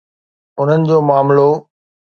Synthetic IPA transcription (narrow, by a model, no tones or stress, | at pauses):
ʊn̤ənɪ̆d͡ʑoːmaːmlo